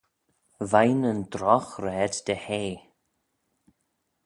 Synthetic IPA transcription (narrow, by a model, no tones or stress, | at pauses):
vajnənd̪ɾɔxɾɛːd̪d̪̥əheː